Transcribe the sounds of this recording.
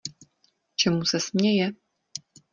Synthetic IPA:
t͡ʃʰɛmusɐsmɲʲejɛ

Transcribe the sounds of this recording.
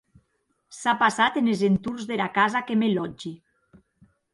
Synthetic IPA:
sapasat̪enezent̪uɾzðelakazakemelɔd͡ʒi

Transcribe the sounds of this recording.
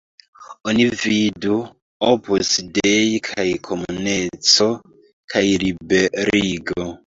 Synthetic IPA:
onividu | opʰusdejkʰajkʰomunet͡so | kʰajlibeɾiɡo

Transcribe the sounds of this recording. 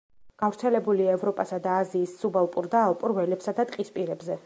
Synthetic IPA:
ɡ̥avɾt̪sʰɛlɛbuliaɛvɾɔpʼasad̪aːziːsːubalˠpʼuɾd̪aːlˠpʼɾvɛlɛpsad̪at̪ʼqʼispʼiɾɛbzɛ

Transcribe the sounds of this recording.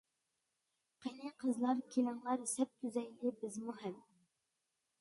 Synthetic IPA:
qʰenɪqʰəzlˠɑɾkʲʰelɪŋlˠɑɾsɛp̚t̪ʰyzɛjlɪbɪzmuɦɛm

